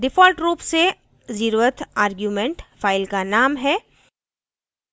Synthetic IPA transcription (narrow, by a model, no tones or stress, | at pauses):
ɖɪfɔːlʈɾuːpse | ziɾuət̪ʰaːɾɡjuːmẽɳʈfaːɪlkanaːmɦɛː